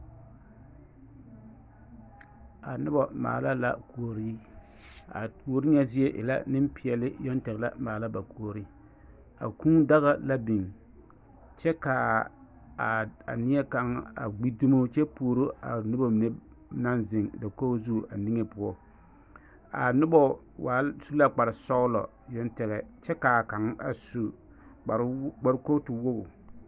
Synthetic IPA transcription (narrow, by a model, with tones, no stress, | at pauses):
a˨nʊ˦bɔ˦ma̰ː˨la˦la̰˦˨ku˨o˨ɾi˦ | a̰˨tu˨o˨˦ɾi˦ɲɛ˦zɪ˦e˦ʔɪ̰˨la̰˦nɪ˦mpɪ˨ɛ˨lɪ˦jɔ˦ntɛ˨ɣla̰˦maː˨la˦ba˨ku˨o˨ɾi˦ | a̰˨ku˦da˦ɣa˦la˦bi˨ŋ | t͡ʃɛ˦ka˨ | a̰˨nɪ˦ɛ˦ka˨ŋa̰˨ɡ͡bi˦du˦mo˦t͡ʃɛ˦pu˨o˨ɾo˦a̰˨nʊ˦bɔ˦mɪ˨ne˦ | na˦nzɪ˨ŋda˨ko˦zuː˦˨ɾʔa˨ni˦ŋe˦pʊ˨˦ɔ˦ | a̰˨nʊ˦bɔ˦ | wa˨su˦la˦k͡pa˨ɾɪ˨sɔ˦ɣlɔ̰˨ | jɔ˦ntɛ˨ɣɛ˨t͡ʃɛ˦ka˨ka˨˦ŋ˦a̰˨su˦ | a˨ɾɡ͡ba˦ɾko˦tɪ˨wo˦ɡʊ˨